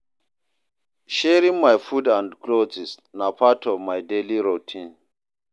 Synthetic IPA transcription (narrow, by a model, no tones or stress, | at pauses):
ʃɛɾĩŋmajfudãndkʰlod͡ʒis | napʰatʰɔvmajdeliɾotʰĩn